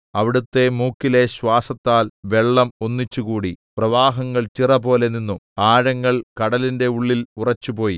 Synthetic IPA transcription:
ɐʋiɽut̪ːe̞muːkːileɕwaːsɐt̪ːaːlʋe̞ɭːɐmonːit͡ɕːukuːɽiprɐʋaːɦɐŋːɐɭt͡ɕirɐpo̞ːle̞ninːuaːɻɐŋːɐɭkɐɽɐlinde̞uɭːilurɐt͡ɕːupo̞ːji

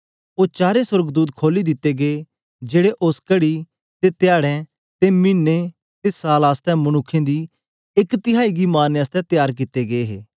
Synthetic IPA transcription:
oːt͡ʃaːɾesʊɾɡd̪uːd̪kʰoːlid̪ɪt̪ːeɡee | d͡ʒeːɽeʔʊskəɽi | t̪et̪jaːɽɛ̃ | t̪emiːnːe | t̪esaːlaːst̪ɛ̃mɐnʊkʰːẽd̪iː | ɪkt̪ɪɦaːiɡimaːnaːst̪ɛ̃t̪jaːɾk̬ɪt̪ːeɡeeɦḛː

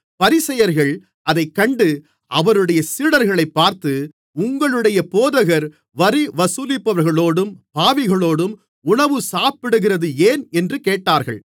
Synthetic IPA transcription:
pɐɾɪsɐjɐɾɣɐɭ | ʔɐðɐɪkːɐɳɖɯ | ʔɐʋɐɾɯɽɐjɐsɪɽɐɾɣɐɭɐɪpːaːɾt̪ɯ | ʊŋɡɐɭɯɽɐjɐpoːðɐɣɐɾ | ʋɐɾiʋɐsʊlɪpːɐʋɐɾɣɐɭoːɽɯmpaːʋɪɣɐɭoːɽɯm | ʊɳɐʋɯsaːpɪɽɯɣɪrɐðɯeːnɛndrɯkeːʈːaːɾɣɐ̰ɭ

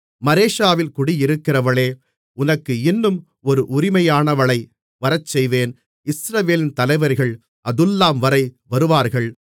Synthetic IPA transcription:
mɐɾeːʂaːʋɪlkʊɽɪjɪɾɯkːɪrɐʋɐɭeː | ʊnɐkːɯɪnːɯm | ɔɾɯʔʊɾɪmɐjaːnɐʋɐɭɐɪ | ʋɐɾɐt͡ʃsɛjʋeːn | ɪsɾɐʋeːlɪnt̪ɐlɐɪʋɐɾɣɐɭ | ʔɐðɯlːaːmʋɐɾɐɪʋɐɾɯʋaːɾɣɐɭ

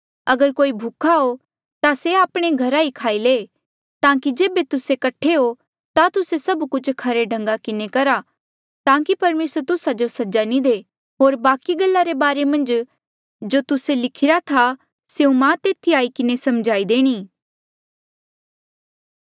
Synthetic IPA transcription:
ɐɡəɾkoːibʱʊkʰaɦo | t̪aseaːpɽ̃eɡʱɐɾaikʰaːile | t̪ãːkid͡ʒeːbet̪ʊsekɐʈʰeɦo | t̪at̪ʊsesɐbkʊt͡ʃʰkʰɐɾeɖʱɐ̃ŋɡakɪnekɐɾa | t̪ãːkipɐɾmeːsəɾt̪ʊsad͡ʒosɐd͡ʒanid̪eː | ɦoːɾbaːkiɡɐlːaɾebaːɾemɐ̃nd͡ʒ | d͡ʒot̪ʊselɪkʰɪɾat̪ʰa | seːũmãːt̪eːt̪ʰiaːikɪnesɐmd͡ʒaːid̪eːɽ̃iː

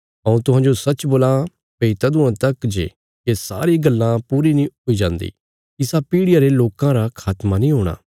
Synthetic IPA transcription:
ɦɐ̃ũt̪ʊɦãːd͡ʒosɐt͡ʃboːla | peit̪ad̪ʊãt̪ɐkd͡ʒḛ | kesa̰ːɾiɡɐlːãpuːɾinĩɦoid͡ʒãːnd̪ḭː | ɪsapiːɽɪjaɾeloːkãɾakʰaːt̪manĩɦoːɽ̃a̰ː

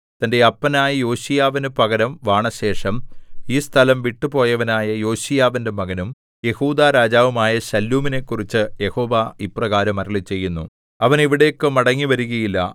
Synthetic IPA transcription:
t̪ɐnde̞ɐpːɐnaːjɐjo̞ːɕijaːʋinɨpɐɣɐɾɐmʋaːɳɐɕe̞ːʂɐmiːst̪ʰɐlɐmʋiʈːupo̞ːjɐʋɐnaːjɐjo̞ːɕijaːʋinde̞mɐɣɐnum | je̞huːd̪aːɾaːd͡ʑaːʋɐmaːjɐɕɐlːuːmine̞ːkːurit͡ɕːɨje̞ho̞ːʋaiprɐɣaːɾɐmɐɾɐɭit͡ɕːe̞jːunːu | ɐʋɐniʋiɽe̞ːkːɨmɐɽɐŋːiʋɐɾuɣɐjilːɐ̰

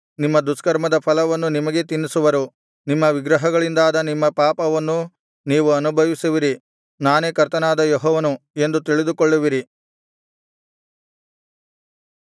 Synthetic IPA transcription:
nimːɐd̪uskɐɾmɐd̪ɐpʰɐlɐʋɐnːunimɐɡe̞t̪inːisuʋɐɾu | nimːɐʋiɡɾɐɦɐɡɐɭind̪aːd̪ɐnimːɐpaːpɐʋɐnːu | niːʋuɐnubʱɐʋisuʋiɾi | naːneːkɐɾt̪ɐnaːd̪ɐjɔɦɔːʋɐnue̞nd̪ut̪̬iɭid̪ukoɭːiʋiɾi

